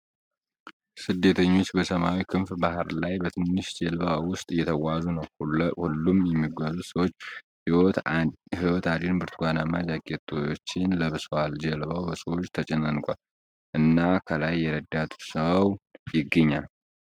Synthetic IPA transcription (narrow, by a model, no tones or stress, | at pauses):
sɨd̪ːe̞t̪ʰəɲːo̞t͡ʃːbəsəmawikʰɨnfbahɨɾlajbət̪ʰɨnːɨʃd͡ʒɛlβawʊst̪ʼjɛt̪ʰəwazunəwhuhulːumjɛmːiɡʷazusəwot͡ʃː | hɪwɔt̪ʰad̪inbɨɾt̪ʰuɡʷanamad͡ʒaɡʼet̪ʰowot͡ʃːɪnləβɨswald͡ʒɛlβawbəsəwot͡ʃːt̪ʰət͡ʃʼɛnənkʷʼal | ʔɨnːakʰəlajːɛɾəd̪at̪ʰsəawjɪɡːəɲːal